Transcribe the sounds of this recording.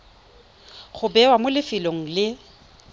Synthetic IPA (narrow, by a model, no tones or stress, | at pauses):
χʊbɛwamʊlɪfɪloŋ̩lɪ